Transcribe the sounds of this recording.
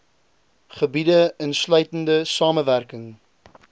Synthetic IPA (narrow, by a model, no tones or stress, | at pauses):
χəbidəənslœɥtəndəsɑːməværkəŋ